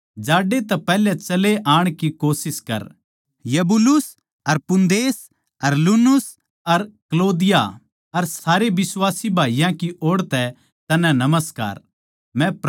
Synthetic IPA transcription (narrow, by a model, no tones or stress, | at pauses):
d͡ʒaːɖet̪ɛpɛːlɛt͡ʃɐleʔaːɽ̃kikoːsɪskɐ̰ɾ | jɐbʊlʊs | ɐɾpʊnd̪eːs | ɐɾluːnʊs | ɐɾkloːd̪ɪja | ɐɾsaːɾebɪswaːsibʱaːijãkiʔoːɽt̪ɛ | t̪ɐnɛ̃nɐməska̰ːɾ | mɛ̃p